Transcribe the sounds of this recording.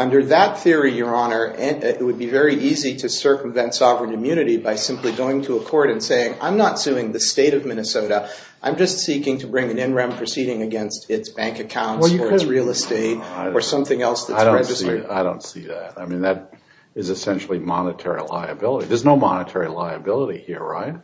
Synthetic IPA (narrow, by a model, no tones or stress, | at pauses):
ʌ̃ndə˞ðɨt̪̚θɪɹijə˞ɑnə˞ʔɨ̃nɪt̚wɨd̚bivɛɹiʔiziɾɨsɜ˞km̩vɛ̃ntsɑvɹɨ̃nɨ̃mjʉñɨɾibaɪsɪ̃mpliɡoʊɪ̃ŋtʰɨːkʰɔɹɾɨ̃nseɪɪ̃ŋã̰ɪ̃mnətsʉɪ̃ŋðɨsteɪɾʌvmɪ̃ñɨsoʊɾə | ʔã̰ɪ̃md͡ʒʌstsikɪ̃ŋtʰɨbɹɪ̃ŋɨ̃nɪ̃nɹɛ̃mpʰɹ̥ɨsiɾɪ̃ŋɨɡɛ̃nstɪtsb̥æ̃ŋkɨkʰãʊ̃nsə˞ɨsɹilˠəsteɪɾə˞sʌ̃mθɪ̃ŋɛlˠsðɨɪsdɹɛd͡ʒɨsaɪdõʊ̃ntsiðæ̰t̚aɪmĩnðɨɾ | ɨzɨsɛ̃nʃl̩ˠimɑnɨtʰɛɹḭla̰ɪɨbɪlˠəɾiðə˞znoʊmɑ̰nɨtʰɛɹilaɪɨbɪlˠəɾihiɹɹaɪt̚